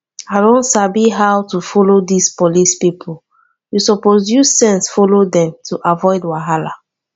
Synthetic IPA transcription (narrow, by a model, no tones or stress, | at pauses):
aɪdõntsabiɦawtufɔlodispɔlispipʰɔl | jusɔpozjusɛ̃nsfɔlodɛ̃mtʰuʔavɔɪdwaɦala̰